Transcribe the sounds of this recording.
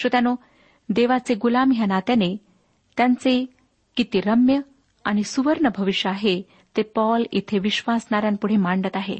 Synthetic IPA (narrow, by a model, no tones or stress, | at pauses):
ɕot̪jano | d̪eʋat͡seɡulamɦjanat̪jane | t̪jãnt͡se | kit̪iɾəmjə | aɽ̃isuʋəɾɳəbʱəʋiɕjəaɦe | t̪epɔlḭt̪ʰeʋiɕʋasɳaɾjampuɽ̤emaɳɖət̪aɦḛ